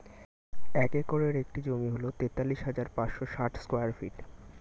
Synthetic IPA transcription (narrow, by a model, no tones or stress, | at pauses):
ɛkekoɾeɾek̚ʈid͡ʑomiɦolot̪et̪ːalːiʃɦad͡ʑaɾpãt͡ɕʃoʃaʈskojaɾfḭʈ